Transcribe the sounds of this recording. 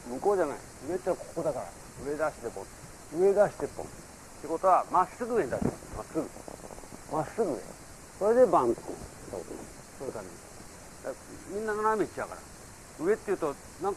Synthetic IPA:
mɯ̟ko̞ːd͡ʑana̰ḭ | ɯe̞t̪ːeakʰo̥ko̞d̪akaɾa̰ | ɯe̞d̪aɕi̥t̪epːõ̰n | ɯe̞d̪aɕi̥t̪epːõ̰n | t̪ːeko̞t̪o̞βamasɨɡɯend̪aɕit̪a̰masɨɡɯ̟ | masːɨɡɯḛ̃ | so̞ɾe̞d̪e̞bãŋko̰̥ | t̪a̰kt̪ | soːɯt̪amʲḭ | d̪a | mʲĩnːaɡanamʲit͡ɕiakaɾa̰ | ɯe̞t̪ːe̞jɯ̟ːt̪o̞ | nãŋk

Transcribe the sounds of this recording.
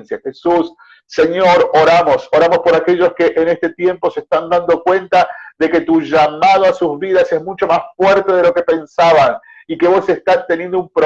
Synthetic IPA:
nsjaxesusː | eɲo̞ɾoɾamo̞so̞ɾamo̞spo̞ɾakeʒo̞skeʔene̞st̪e̞t̪je̞mpo̞seːst̪and̪and̪o̞kwe̞nt̪aðe̞ke̞t̪uʒamað̞oasuzβiðasezmut͡ʃo̞masfweɾt̪e̞ð̞e̞lo̞ke̞pe̞nsaβan | ike̞βo̞sest̪ast̪enje̞nd̪oumpɾo

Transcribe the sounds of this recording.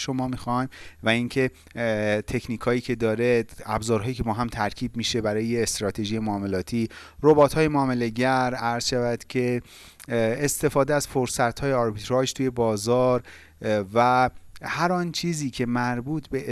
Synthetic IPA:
ʃo̞mɒːmiːxɒjmvæiŋcʰe̞ | t̪ʰe̞kʰniːkʰhɒːjiːcʰe̞d̪ɒːɾeæ̰bzɒːɾɦɒːjiːcʰe̞bɒːɦæmt̪ʰæɾcʰiːbmiːʃe̞bæɾɒːjeːst̪ɾɒːt̪ʰe̞ʒije̞moːmelɒːt̪ʰiː | robɒːt̪ʰhɒːjemoːmele̞ɟæɾæɾz̥ʃævæd̪̥cʰe̞ | est̪e̞fɒːd̪eæz̥foɾsæt̪hɒːjeɒɾbit̪ʰɾɒd͡ʒt̪ʰuːje̞bɒːzɒːɾ | væhæɾɒːnt͡ʃʰiːziːcʰe̞mæɾbuːt̪ʰbe̞

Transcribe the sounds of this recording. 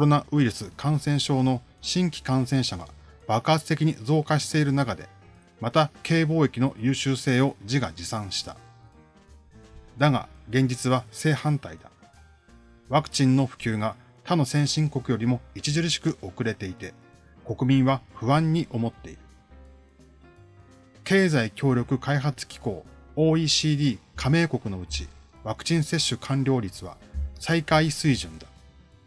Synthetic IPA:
koɾo̞naʔɯ̟iɾɯ̟sɨkãɰ̃sẽ̞ɰ̃ɕo̞ːno̞ | ɕĩŋkʲi̥kãɰ̃sẽ̞ɰ̃ɕaɡa̰ | b̥akaːt͡sɨ̥t̪e̞kʲiɲ̟id͡zo̞ːkaɕi̥t̪e̞iɾɯ̟nakad̪e̞̰ | mat̪akʰe̞ːbo̞ːekʲino̞jɯ̟ːɕɨːse̞ːo̞d͡ʑiɡad͡ʑisãɰ̃ɕi̥t̪a̰ | d̪aɡa̰ɡẽ̞ɲ̟d͡ʑit͡sɨβase̞ːhãnt̪aid̪a | βakɯ̟̥t͡ɕĩnːo̞ɸɯ̟̥kʲɨːɡa | t̪ʰano̞sẽ̞ɰ̃ɕĩŋko̞kɯ̟jo̞ɾʲimo̞it͡ɕiʑɨɾɯ̟ɕi̥kɯ̟ʔo̞kɯ̟ɾe̞t̪e̞it̪e̞ | ko̞kɯ̟mʲĩɰ̃βaɸɯ̟βãɲ̟ːiʔo̞mo̞t̪ːe̞ḭɾɯ̟̥ | ke̞ːzaikʲo̞ːɾʲo̞kɯ̟kaiɦat͡sɨ̥kʲi̥ko̞ːo̞ːiːɕiːd̪ʲiːkʰame̞ːko̞kɯ̟no̞ɯ̟t͡ɕi | βakɯ̟̥t͡ɕĩɰ̃se̞ɕːɨkʰãɲɾʲo̞ːɾʲit͡sɨβa̰saikaisɨiʑɨ̃nd̪ḁ

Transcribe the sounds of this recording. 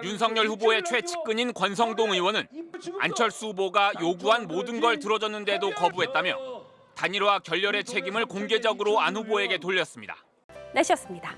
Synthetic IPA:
junsʰʌŋɲʌɭɸuboe̞t͡ɕʰwe̞t͡ɕʰi̥k̚k͈ɯɲinkwʌnsʰʌŋdoŋɯwʌnɯna̰nt͡ɕʰʌɭs͈uuboɡajoɡuɦanmodɯnɡʌɭtɯɾʌd͡ʑʌnːɯnde̞dokʌbuɦe̞t̚t͈amjʌ | taɲiɾwakjʌʎːʌɾe̞t͡ɕʰe̞ɡimɯɭkoŋɡe̞d͡ʑʌɡɯɾoanɸuboe̞ɡe̞t̬oʎːʌs͈ɯmɲida̰ | neɕʰʌs͈ɯmɲida

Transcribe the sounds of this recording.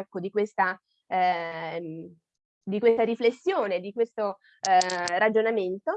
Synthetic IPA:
kːod̪ikwest̪a | d̪ikwest̪aɾiflesːjoːned̪ikwest̪o | ɾad͡ʒonament̪o

